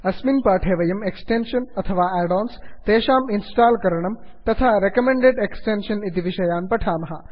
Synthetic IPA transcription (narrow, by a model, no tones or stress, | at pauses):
ɐsminpaːʈʰeːʋɐjɐmeksʈenʃɐnɐt̪ʰɐʋaːɛːɖoːnst̪eːʃaːminsʈaːlkɐɾɐɳ̃ɐmt̪ɐt̪ʰaɾekɐmẽɳɖeɖeksʈeːnʃɐnit̪iʋiʃɐjaːnpɐʈʰaːmɐɦa̰